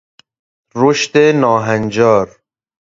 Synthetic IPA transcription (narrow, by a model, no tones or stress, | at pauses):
ɾoʃt̪enɔːɦanʲd͡ʒɔːɾ